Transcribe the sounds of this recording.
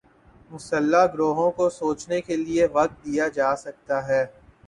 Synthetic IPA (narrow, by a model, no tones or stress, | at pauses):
mʊsəlːaɡɾoːɦõkosoːt͡ʃnekelieʋɐk̚t̪̚d̪ijad͡ʒaːsɐk̚t̪aɦɛː